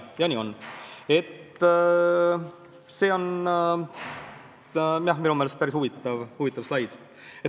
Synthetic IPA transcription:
jɑnʲio̞ne̞t̪ | se̞ːo̞n | miæhminumeːlest̪̚pæɾisuvit̪ːˑɑvuvit̪ːˑɑvslɑjd̪̥ | e

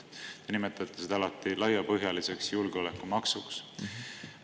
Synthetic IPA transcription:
t̪e̞nime̞t̪ːˑɑt̪ːˑesid̪ɑlɑt̪ːˑilɑjɑpɤɦjɑlise̞ksjulɡ̥eole̞kːumɑksuks

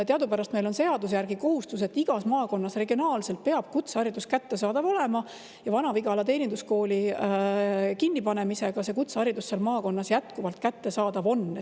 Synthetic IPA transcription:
t̪eɑd̪upæɾɑst̪me̞jlo̞nse̞ɑd̪us̬jærɡ̥iko̞hust̪use̞t̪ːiɡ̥ɑsmɑːko̞nːɑsre̞ɡionɑːlse̞lt̪̚pe̞ɑb̥̚kut̪sɑɾid̪uskæt̪ːe̞sɑːd̪̥ɑvo̞le̞mɑ | jɑvɑnɑviɡɑlɑt̪e̞ːnʲind̪usko̞ːli | kinːipɑne̞mise̞ɡ̥ɑse̞kut̪sɑɾid̪̥usːelmɑːko̞nːɑsjæt̪kuvɑlt̪kæt̪ːe̞sɑːd̪̥ɑvo̞nːe

